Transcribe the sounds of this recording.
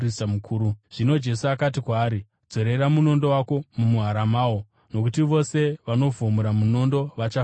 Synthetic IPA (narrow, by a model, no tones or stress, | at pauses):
risamukʰuːɾuʐ̥ino̞d͡ʒe̞suakat̬ikwaːɾi | d͡zo̞ɾeɾamuno̞ndo̞wako̞mumuɦaɾamaːwo | no̞kutiʋo̞se̞ʋano̞vʱomuɾamuno̞ndo̞ʋat͡ʃa